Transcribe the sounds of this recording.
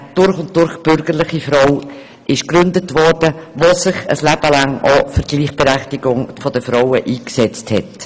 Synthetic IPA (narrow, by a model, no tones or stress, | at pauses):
d̥ʊɾχʊnt̚d̥ʊɾχb̥ʏɾɡəɾlɪχifɾɔw | ʔɪʃkɾʏndətʋɔrd̥əvosɪχə̰slæb̥əlɑŋofəɾɡ̥liːχb̥ɛɾɛχtɪɡ̥ʊŋfɔd̥əfɾɔwəʔiːksɛt͡sthɛt